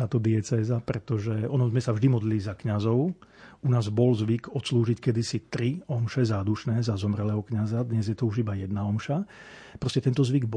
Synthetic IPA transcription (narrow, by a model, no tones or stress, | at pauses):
t̪aːt̪ɔd̪iɛt͡sɛːzapɾɛt̪ɔʒɛɔnɔmzmɛsavʒd̪imɔd̪lilizakɲazɔʊ | unaːzbɔlzʋiɡɔt̪sluːʒickɛd̪isit̪ɾiɔmʃɛzaːd̪uʃnɛːzazɔmɾɛlɛːɦɔkɲazad̪ɲɛzjɛt̪ɔuʒibajɛd̪naɔmʃa | pɾɔscɛt̪ɛnt̪ɔzʋiɡb